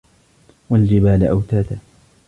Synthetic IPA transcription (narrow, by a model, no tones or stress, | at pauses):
wald͡ʒɪbaːlʔawt̪aːt̪a